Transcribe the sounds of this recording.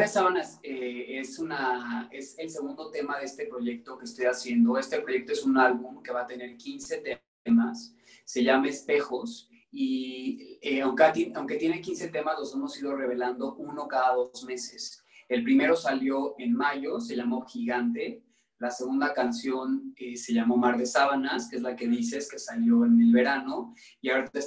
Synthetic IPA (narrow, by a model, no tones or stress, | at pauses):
ɾesaβanaseesunae̞se̞lse̞ɣũnd̪o̞t̪e̞maðe̞e̞st̪e̞pɾo̞ʝe̞k̚t̪o̞keːst̪o̞jasje̞nd̪o̞e̞st̪e̞pɾo̞ʝe̞k̚t̪oesunalβumke̞βat̪e̞ne̞ɾkinse̞t̪e | masː | e̞ʝamaespe̞xo̞s | i | eawŋkt̪enawŋke̞t̪je̞ne̞kinse̞t̪e̞mazlo̞se̞mo̞sið̞o̞re̞β̞e̞land̪o̞ʔuno̞kaðaðo̞zme̞se̞s | e̞lpɾime̞ɾo̞saljo̞ʔe̞nmaʝo̞se̞ʝamo̞xiɣant̪e̞ | lase̞ɣũnd̪akansjo̞nese̞ʝamo̞maɾðe̞saβanaskeezlake̞ðise̞ske̞saljo̞ene̞lβe̞ɾano̞ | iaoɾe